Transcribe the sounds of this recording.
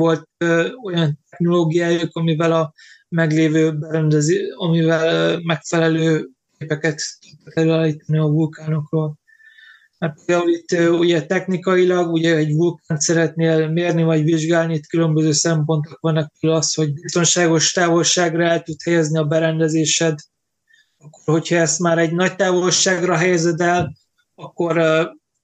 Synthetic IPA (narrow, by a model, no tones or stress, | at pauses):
o̞lt̪̚o̞jɒnt̪̚ɛxno̞loːɡijaːjokɒmivɛlɒmɛɡleːvøːbɛɾɛnd̪ɛzɒmivɛlmɛkfɛlɛløːkeːpɛkɛt̪t̪ut̪ːɛk̪ɛløːaːliːt̪ɒniɒvulkaːno̞kroːl | mɛrpeːld̪aːulit̪ːuɟɛt̪ɛxnikɒjilɒɡuɟɛɛɟvulkaːnt̪sɛɾɛt̪neːlmeːrnivɒɟviʒɡaːlniit̪kylø̞mbøzøːsɛmpo̞nt̪okvɒnːɛk̚pɛlylɒst̪ho̞ɟbist̪o̞nʃaːɡo̞ʃt̪aːvo̞lʃaːɡrɒɛlt̪ut̪hɛjɛzniɒbɛɾɛnd̪ɛzeːʃɛd̪ | ɒkːo̞rho̞chɒɛst̪maːɾɛɟnɒc̚t̪aːvo̞lʃaːɡrɒɦɛjɛzɛd̪ɛl | ɒkːo̞ɾ